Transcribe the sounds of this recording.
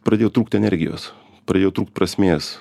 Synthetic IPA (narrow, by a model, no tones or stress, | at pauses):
pɾɐdʲeːjot̪ɾuːkt̪ʲɛnʲɛɾʲɡʲɪjo̰ːs | pɾɐd̪ʲeːjoʊt̪ɾuːkt̪pɾɐsʲmʲeːs